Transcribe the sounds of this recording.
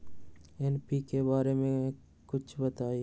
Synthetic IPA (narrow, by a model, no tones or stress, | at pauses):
ɛnpikebaːɾemẽ | kʊt͡ʃʰbɐt̪aːi